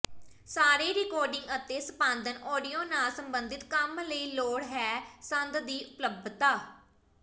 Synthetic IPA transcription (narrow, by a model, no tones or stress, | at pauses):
saːɾeːɾɪkɔːɾɖɪŋɡət̪eːsəpãːnd̪ənɔːɖijoːnaːlsəmbənd̪ɪt̪kəmləiːloːɽɦɛːsənd̪d̪iːʔʊpləb̚t̪aː